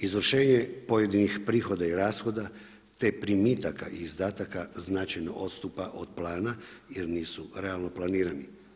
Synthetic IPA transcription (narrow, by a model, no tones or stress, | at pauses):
izʋr̩ʃe̞ːɲepo̞jed̪inixpɾiːxo̞d̪aiɾaːsxo̞d̪a | t̪e̞pɾimiːt̪aka̰ʔiːzd̪aːt̪akaznat͡ʃajno̞ʔo̞t̪st̪upaʔo̞d̪plˠaːnajeɾniːsuɾe̞alˠno̞plˠaniːɾani